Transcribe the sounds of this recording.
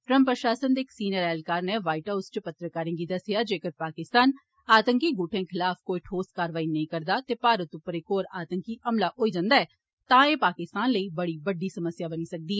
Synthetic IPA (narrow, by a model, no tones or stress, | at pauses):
ʈɾə̃mpɾəʃaːsənd̪eːksiːnəɾɛːlkaːɾneːʋaːiʈaːʊst͡ʃpət̪ɾəkaːɾɪ̃ŋɡiːd̪əsɪjaːd͡ʒeːkəɾpaːkɪst̪aːn | aːt̪əŋkiːɡʊʈʰẽːkʰɪlaːfʰkoːiʈʰoːskaːɾʋaːiːnəĩːkəɾd̪aːt̪eːpaːɾət̪ʊpːəɾeːkoːɾaːt̪əŋkiːʔəmlaːɦoːiːd͡ʒãːnd̪aːɛː | t̪ãːeːpaːkɪst̪aːnləiːbəɽiːbəɖiːsəməsjaːbəniːsək̚d̪iːɛː